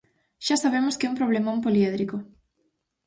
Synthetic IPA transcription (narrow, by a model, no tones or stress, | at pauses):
ʃasaβ̞emʊskɛumpɾoβ̞lemõmpolieðɾiko